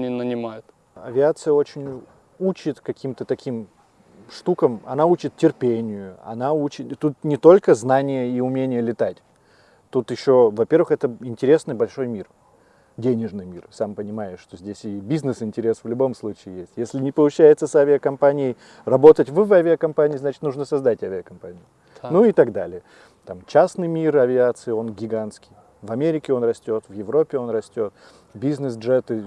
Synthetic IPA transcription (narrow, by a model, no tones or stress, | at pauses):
nʲinənʲɪmajʊt̪ | ɐ̰vʲɪat̪sɨjəo̞t͡ɕɪnʲ | ut͡ɕɪt̪kɐkʲʰimt̪ət̪ɐkʲim | ʂt̪ukəmɐ̰naut͡ɕɪt̪tʲɪrpʲenʲɪjʊɐ̰naut͡ɕɪt̪t̪ːut̪̚nʲɪt̪o̞lʲkəznanʲɪjəiʊmʲenʲɪjəlʲɪt̪atʲ | t̪ut̪jɪɕːo̞vɐpʲe̞rvɨxɛt̪əɪnʲtʲɪɾʲe̞snɨjbɐlʲʂo̞jmʲir | dʲenʲɪʐnɨjmʲirsampənʲɪmajɪʂt̪o̞zʲdʲesʲɪbʲiznɨsɪnʲtʲɪɾʲe̞svlʲʊbo̞mslˠut͡ɕɪːjesʲtʲjesʲlʲɪnʲɪpəlˠʊt͡ɕːæjɪt̪səsavʲɪəkɐmpanʲɪjɪj | rɐbo̞t̪ətʲvvavʲɪɐkɐmpanʲɪːznat͡ɕɪ̥t̪nuʐnəsɐzd̪atʲavʲɪəkɐmpanʲɪjʊ | nuɪt̪ɐɡd̪alʲɪə | t̪amt͡ɕasnɨjmʲirɐvʲɪat̪sɨɪo̞nɡʲɪɡanskʲɪj | vɐmʲeɾʲɪkʲɪo̞nrɐsʲtʲo̞t̪vjɪvɾo̞pʲːɪo̞nɾɐsʲtʲo̞t̪̚ | bʲiznɨsʐɛt̪ɨ